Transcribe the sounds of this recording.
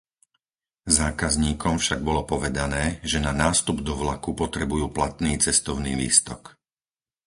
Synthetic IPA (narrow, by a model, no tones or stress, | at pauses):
zaːkazɲiːkɔmfʃaɡ̚bɔlɔpɔʋɛd̪anɛːʒɛnanaːst̪ubd̪ɔʋlakupɔt̪ɾɛbujuːplat̪niːt͡sɛst̪ɔʊnḭːʋḭːst̪ɔk